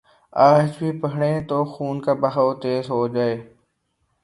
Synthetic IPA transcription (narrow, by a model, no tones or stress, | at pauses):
aːd͡ʒbʱiːpɐɦɽẽːt̪oːxuːnkabɐɦawt̪eːzɦoːd͡ʒaːeː